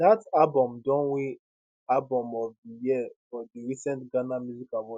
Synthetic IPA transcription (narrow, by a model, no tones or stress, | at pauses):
datalbɔ̃mdɔ̃nwĩ | albɔ̃mɔvdijifɔdiɹisɛ̃ntɡanamjuzikalwɔ